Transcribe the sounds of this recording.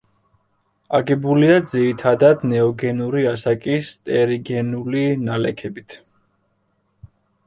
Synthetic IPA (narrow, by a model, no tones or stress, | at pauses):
aɡɛbuliad̪ziɾit̪ʰad̪ad̪nɛɔɡɛnuɾiasakʼist̪ʼɛɾiɡɛnulinalɛkʰɛbit̪ʰ